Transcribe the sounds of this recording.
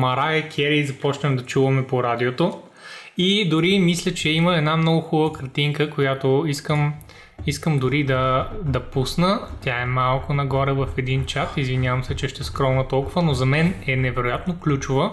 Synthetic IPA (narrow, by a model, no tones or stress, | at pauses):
mɐɾaɛkʲʰɛɾizɐpɔt͡ʃnəmd̪ɐt͡ʃuvɐmɛpoɾad̪iot̪o | id̪ʊɾimislʲət͡ʃɛiməɛd̪namnɔɡʊxubˠəkɐɾt̪iŋkəkojat̪oiskəm | iskəmd̪ʊɾid̪ɐd̪ɐpusnət̪ʲjaɛmalˠkʊnɐɡɔɾɛvɐfɛd̪int͡ʃat̪izvinjavɐmsɛt͡ʃɛʃt̪ɛskɾɔnət̪ɔlˠkʊvənozɐmɛnɛnɛvɛɾʊjat̪noklʲut͡ʃʊvə